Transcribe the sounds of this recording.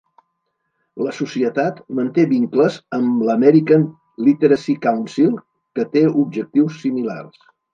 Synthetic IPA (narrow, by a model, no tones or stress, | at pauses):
ləsusiət̪at̪mənt̪eβiŋkləzəmləmɛɾikən | lit̪əɾəsikawnsilˠ | kət̪eub̚ʒək̚t̪iwsːimila̰rs